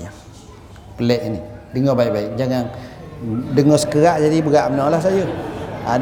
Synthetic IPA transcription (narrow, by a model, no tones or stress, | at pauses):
a | kəlɛʔinidəŋɔbaiʔ̚baik̚d͡ʒaŋaŋ | dəŋɔsə̥kəɣaʔd͡ʒadibəɣaʔmənɔlahs̬ajəa̰